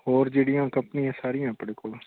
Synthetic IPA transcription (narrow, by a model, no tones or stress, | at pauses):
hoːɾd͡ʒeːɽijãːkəmpniãːsaːɾijãːpəɽeːkoːl